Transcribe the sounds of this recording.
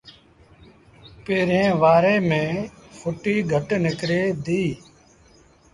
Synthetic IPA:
peːɾẽːʋaːɾeːmẽːfʰʊʈiːɡʱəʈnɪkɾeːd̪iː

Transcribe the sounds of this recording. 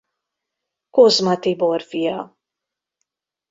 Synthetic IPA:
kɔzmɐt̪ibɔɾfijɐ

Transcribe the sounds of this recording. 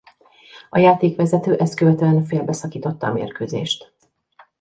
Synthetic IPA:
ɒjaːt̪eːkʋɛzɛt̪øːʔɛst̪̚køvɛt̪øɛnfeːlbɛsɒkiːt̪o̞t̪ːɒ̰ːmḛːrkøːzḛːʃt̪

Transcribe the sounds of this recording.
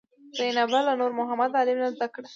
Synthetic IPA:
z̥ajnabalanoɾmʊɦamad̪alɪmnazd̪akɽa

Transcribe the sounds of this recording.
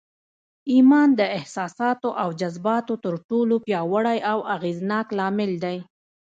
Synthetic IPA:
imɑnd̪əɪhsɑsɑt̪oʔawd͡ʒazbɑt̪ot̪əɾʈolopjɑwəɽajʔawaɣeznɑklɑmɪld̪aj

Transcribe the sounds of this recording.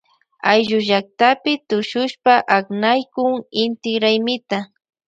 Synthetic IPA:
ajʒʊʒak̚t̪apɪt̪ʊʃʊʃpaʔaknajkʊŋɪnt̪ɪɡɾajmɪt̪a

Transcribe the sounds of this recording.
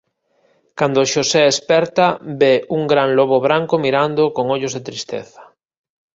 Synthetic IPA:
kand̪oʃoseespɛɾt̪abeuŋɡɾanloβoβɾaŋkomiɾand̪okoŋoʎozðet̪ɾist̪ḛθɐ̥

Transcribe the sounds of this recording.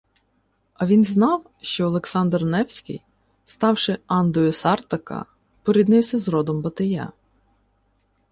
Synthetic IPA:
ɐʋʲinznɑw | ʃt͡ʃɔːlˠeksɑnd̪rnɛwsʲkɪ̰j | st̪ɑwʃɪɑnd̪ɔjʊsɑrt̪ɐkɐ̰ | pɔɾʲid̪nɪwsʲɐzɾɔd̪ɔmbɐt̪ɐja̰

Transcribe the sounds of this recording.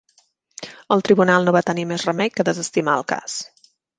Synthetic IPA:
əlˠt̪ɾiβunalˠnoβat̪ənimɛzrəmɛʎkəðəzəst̪imaəlˠka̰s

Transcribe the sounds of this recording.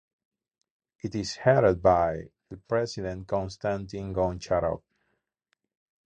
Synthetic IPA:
itishɛɾəd̪̚bajðəpɹɛsiðɛ̃n̚kɔ̃nst̪ãnt̪ĩnɡɔ̃nt͡ʃaɾɔ̰p̚

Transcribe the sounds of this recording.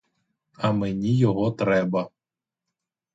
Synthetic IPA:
ɐmenʲijɔɦɔt̪ɾɛbɐ

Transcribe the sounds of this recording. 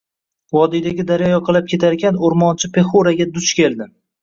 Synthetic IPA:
wɒd̪ijd̪aɡʲɪd̪aɾjɒjɒqʰɨlˠap̚kʲʰe̞t̪ʰaɾɪkʲʰanʊɾmɒnt͡ʃʰɪpʰe̞χoɾaɡʲad̪ʊt͡ʃkʲe̞ld̪ɪ

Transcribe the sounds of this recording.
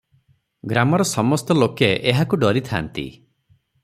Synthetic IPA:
ɡɾamɔɾɔsɔmɔst̪ɔlokeʔeɦakuɖɔɾit̪ʰant̪ḭ

